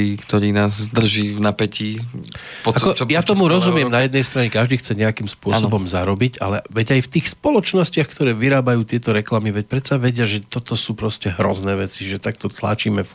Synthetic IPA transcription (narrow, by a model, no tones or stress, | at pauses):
iːkt̪ɔɾiːnaːzd̪r̩ʒiːvnapɛci | pakɔjat̪ɔmuɾɔzumɪɛmnajɛd̪nɛjst̪ɾaɲɛkaʒd̪iːxt͡sɛɲɛakimspʊɔsɔbɔmzaɾɔbiɟa̰lɛʋɛɟajft̪iːxspɔlɔt͡ʃnɔscɪaxkt̪ɔɾɛːʋiɾaːbajuːt̪ɪɛt̪ɔɾɛklamiʋɛc̚pɾɛt̪saʋɛɟɪaʒɛt̪ɔt̪ɔsuːpɾɔscɛɦɾɔznɛːʋɛt͡siʒɛt̪ak̚t̪ɔt̪la̰t͡ʃiːmɛf